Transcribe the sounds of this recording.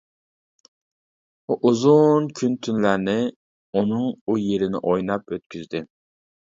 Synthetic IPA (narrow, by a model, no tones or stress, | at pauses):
ʔuzunkʲʰynt̪ʰynlæɾnɪ | unɨŋujeɾɪnɪ̰ʔojnɑpøt̪̚kʲʰyzd̪ɪ